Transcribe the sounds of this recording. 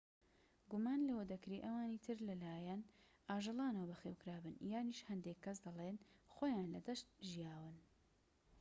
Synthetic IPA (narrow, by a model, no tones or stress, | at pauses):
ɡumaːnlɐwɐd̪ɐkɾiʔɐwaːniːt̪ʰɨɾlɐlaːjɛn | ʔaːʒɨlˠɑːnɐwɐbɐxeːwkɾaːbɨnjaːniːʃhɐnd̪ekʰːɐsd̪ɐlˠenxoːjaːnlɐd̪ɐʃt̪̚ʒijaːwɨn